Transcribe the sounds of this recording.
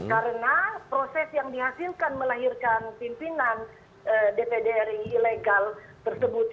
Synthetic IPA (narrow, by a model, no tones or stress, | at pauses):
kaɾənapɾosɛsjaŋdiɦasilkanməlaɦirkanpimpinan | ʔədepedeɾiːleɡal | t̪ərsəbut̪̚